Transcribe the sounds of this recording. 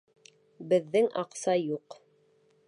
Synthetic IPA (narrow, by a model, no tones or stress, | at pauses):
bɘ̆ðːɘŋɑqsɑjuq